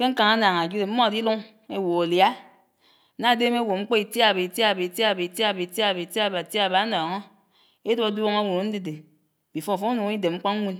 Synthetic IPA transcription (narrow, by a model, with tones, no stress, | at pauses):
ke˦ŋ̩˦ka˨ŋa˦na˨ŋa˨d͡ʒi˦e˨m̩˦mɔ˦a˨di˦lu˦ŋ | e˦wo˨o˨lja˦ | na˦˨˦de˦m˦e˦wo˨ŋ͡m̩˦k͡po˦i˨tja˦˨be˨i˨ta˦˨be˨i˨tja˦˨be˨i˨tja˦˨bi˨ta˦˨be˨ta˦˨ba˨ti˦˨ba˨˦nɔː˨ŋo˦ | e˦do˦a˨˦du˦o˦ŋa˦wu˨ɾo˨˦n̩˦di˦de˨ | bi˨fo˦˨fo˦u˦nu˨ŋ˦i˦de˨ŋ͡m̩˦k͡po˦ŋ˦ŋʷu˦n